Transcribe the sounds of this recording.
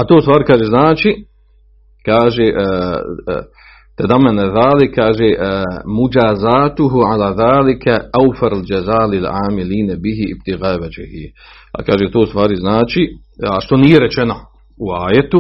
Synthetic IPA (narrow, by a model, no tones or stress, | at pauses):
at̪oːust̪ʋaːɾikaːʒeznaːt͡ʃi | kaːʒeʔ | t̪ad̪amːanaðaːlikʰːaːʒeʔmud͡ʒaːzaːt̪uɦuʕalaːðaːlikʰɛawfaɾald͡ʒazaːlilʕa̰ːmiliːnabiɦiḭb̚t̪iɣaːwad͡ʒɪhḭ | akaːʒet̪oːust̪ʋaːɾiznaːt͡ʃi | aʃt̪o̞nijeɾɛt͡ʃeno | uaːjet̪u